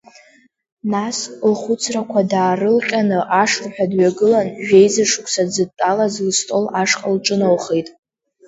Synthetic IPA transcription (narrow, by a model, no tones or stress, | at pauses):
naslχʷʊt͡sʰrakʷʰadaːrɨlqʲʼanɨʔaʂlħʷᶣadɥaɡɨlanʒᶣejzɨʂkʷʰʼsad͡zɨd̚tʼːalazlɨstʼo̞laʂqʼalʈ͡ʂʼɨnowχejtʼ